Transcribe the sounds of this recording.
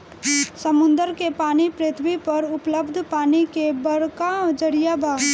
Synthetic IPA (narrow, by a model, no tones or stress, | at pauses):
sɐmʊ̃nd̪əɾkepaːnipɾet̪ʰbipɐɾʊpləbd̪ʱpaːnikebɐɾkad͡ʒəɾijabaː